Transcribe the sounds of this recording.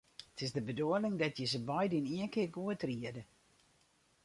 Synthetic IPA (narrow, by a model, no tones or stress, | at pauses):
tʰɪzdəbəduəlɪŋdɔtjəzəbɔjdɪniənkɪrɡuətriədə